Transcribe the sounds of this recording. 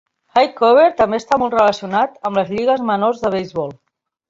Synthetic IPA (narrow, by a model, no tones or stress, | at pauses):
xajkɔβ̞eɾt̪əmbeəst̪amɔlˠt̪rələsiunat̪əmləzʎiɣəzmənorzðəβ̞ejzβɔlˠ